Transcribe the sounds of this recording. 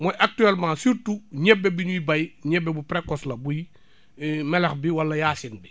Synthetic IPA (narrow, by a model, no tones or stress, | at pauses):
mɔjʔak̚tyɛlmãːsuɾtuɲɛbːɛbiɲujibajɲɛbːɛbupɾekɔslɐbuj | mɛlɐxbiwɐlːɐjaːsinbi